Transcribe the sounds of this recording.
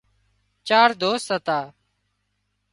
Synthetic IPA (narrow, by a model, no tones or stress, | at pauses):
t͡ʃaːɾd̪oːsət̪aː